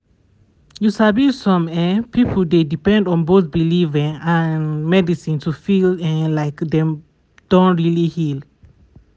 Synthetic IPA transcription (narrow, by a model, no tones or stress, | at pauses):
jusabisɔ̃mɛ̃pipʰəl̩dedipɛ̃ndɔ̃nboθbilivɛ̃ŋãnmɛdisĩntʰufilɛ̃laɪkdɛ̃m | d̥õntɹilihil